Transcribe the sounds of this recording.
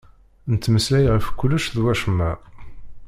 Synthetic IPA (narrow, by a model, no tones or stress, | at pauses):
nət̪ːməslæjʁəfkʷːʊlːəʃðwæʃəmːæ